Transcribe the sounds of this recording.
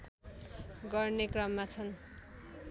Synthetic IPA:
ɡʌrnekrʌmːat͡sʰʌn

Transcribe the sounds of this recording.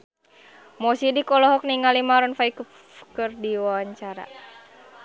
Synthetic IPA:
mɔsidikɔlɔɦɔk̚niŋalimaɾɔnfaiku | kɨrdiwawaɲt͡ʃaɾa̰

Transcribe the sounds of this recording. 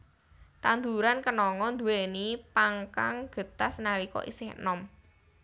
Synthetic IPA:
t̪and̪uɾankənɔŋɔnd̪ṳwenipaŋkaŋɡ̥ə̤t̪asnalikɔ̰ʔḭsɪhnɔm

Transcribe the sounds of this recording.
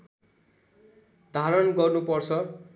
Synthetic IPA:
d̪ʱaɾʌnɡʌrnupʌrt͡sʰʌ

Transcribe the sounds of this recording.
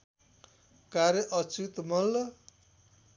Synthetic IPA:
kaɾjʌʔʌt͡sut̪mʌlʌ

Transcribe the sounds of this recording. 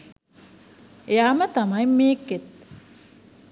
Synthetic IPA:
ejaːmət̪ɐmɐjmeːkːet̪̚

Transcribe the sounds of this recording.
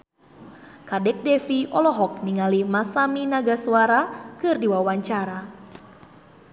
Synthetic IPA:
kadɛk̚dɛfiɔlɔɦɔk̚niŋalimasaminaɡasuaɾakɨrdiwawaɲt͡ʃaɾa

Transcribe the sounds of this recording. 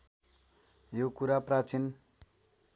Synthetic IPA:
jokuɾaprat͡sin

